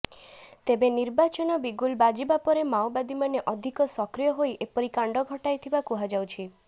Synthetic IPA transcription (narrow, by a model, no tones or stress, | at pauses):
t̪ebeniɾbat͡ʃɔnɔbiɡulbad͡ʒibapɔɾemawbad̪imaneʔɔd̪ʱikɔsɔkɾijɔɦojʔepɔɾikaɳɖɔɡʱɔʈajt̪ʰibakuɦad͡ʒawt͡ʃʰi